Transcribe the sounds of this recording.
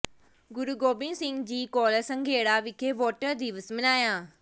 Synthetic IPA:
ɡʊɾuɡoːbɪ̃ŋsɪ̃ŋɡd͡ʑiːkɔːləsɐ̃ŋɡʱeːɽaʋɪkʰeʋoːʈəɾd̪iːʋəsmɪnaːjãː

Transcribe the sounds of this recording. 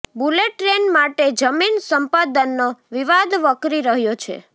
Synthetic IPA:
buleʈːɾenmaʈed͡ʒəminsəmpad̪ənːoʋiʋad̪ʋəkɾiɾəɦjot͡ʃʰḛ

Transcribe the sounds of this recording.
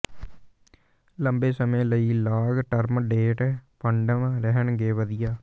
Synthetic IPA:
ləmbeːsəmẽːləiːlaːɡʈəɾmɖeːʈːpʰəɳɖəmɾɛɦəɳɡeːʋəd̪ɪjaː

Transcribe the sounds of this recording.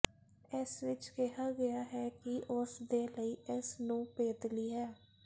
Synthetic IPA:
ɪsʋɪt͡ʃkɛɦaːɡəjaːɦɛːkɪʔʊsd̪eːləiːɪsnũːpeːt̪liːɦɛː

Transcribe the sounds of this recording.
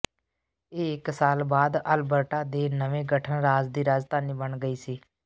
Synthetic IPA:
eːɪksaːlbaːd̪əlbəʈaːd̪eːnəʋẽːɡəʈʰənɾaːd͡ʒd̪iːɾaːd͡ʒt̪aːniːbəɳɡəiːsiː

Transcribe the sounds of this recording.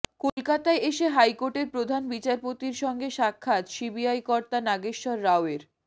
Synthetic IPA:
kolkat̪aeeʃeɦajkoʈeɾpɾod̪ʱanbit͡ɕaɾpot̪iɾʃɔŋɡeʃakʰːat̪ʃibiajkɔɾt̪anaɡeʃʃɔɾːaoeɾ

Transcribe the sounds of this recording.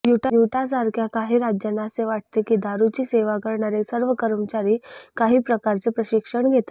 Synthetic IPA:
juʈjuʈas̬aɾkʰjakaɦiːɾad͡ʑjənaseʋaʈ̚t̪ekiːd̪ʱaɾut͡ɕiːseʋakəɾɳaɾesəɾʋəkəɾəmt͡ɕaɾiːkaɦiːpɾəkaɾt͡sepɾəɕikʂəɳɡʱet̪a

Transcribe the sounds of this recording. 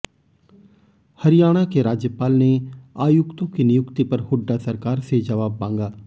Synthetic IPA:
hɐɾɪjaːɽ̃akeɾaːd͡ʒjəpaːlneaːjʊkt̪õkinɪjʊkt̪ipɐɾhʊɖːasɐɾkaːɾsed͡ʒɐʋaːbːãːŋɡaː

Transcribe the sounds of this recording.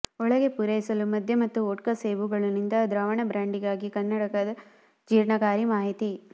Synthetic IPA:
ɔɭɐɡe̞puɾɐjsɐlumɐd̪ʱjɐmɐt̪ːuoːʈ̚kɐseːʋuɡɐɭunind̪ɐd̪ɾaːʋɐɳɐbɾaːɳɖiɡaːɡikɐnːɐɽɐkɐd̪ɐ | d͡ʒiːɾɳɐɡaːɾimaːɦit̪i

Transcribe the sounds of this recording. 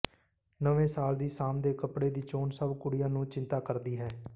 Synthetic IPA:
nəʋẽːsaːld̪iːsaːmd̪eːkəpɽeːd̪iːt͡ʃoːnsəbkʊɽɪjãːnũːt͡ʃɪ̃nt̪aːkəɾd̪iːɦɛː

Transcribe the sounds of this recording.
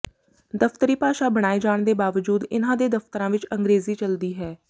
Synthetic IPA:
d̪əft̪əɾiːpaːʃaːbəɽ̃aːid͡ʒaːɳd̪eːbaːʋəd͡ʒuːd̪ɪnãːd̪eːd̪əft̪əɾãːʋɪt͡ʃə̃ŋɡɾeːziːt͡ʃəld̪iːɦɛː

